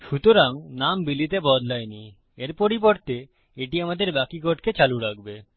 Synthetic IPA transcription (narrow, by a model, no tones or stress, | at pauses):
ʃut̪oɾaŋnambilit̪ebɔd̪lajni | eɾpoɾip̬oɾt̪e | eʈiamad̪eɾbakikoʈket͡ɕaluɾak̚be